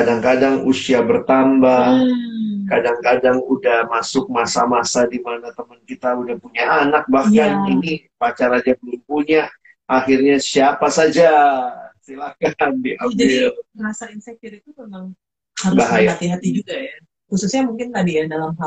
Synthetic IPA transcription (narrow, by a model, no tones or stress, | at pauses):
kadaŋkadaŋusiabərt̪ambah | kadaŋkadaŋudahmasʊk̚masa̰masadimanat̪əmənkit̪audahpuɲaanak̚bahkaninipat͡ʃaɾad͡ʒabəlʊmpuɲa | ʔaxirɲasiapasad͡ʒasilakandiʔad͡ʒadɪilməŋasainsɛk̚t̪ɪrit̪upəmaŋ | habaɦajaat̪iɦat̪id͡ʒuɡaja | xususɲamuŋkɪnt̪adijadalamɦa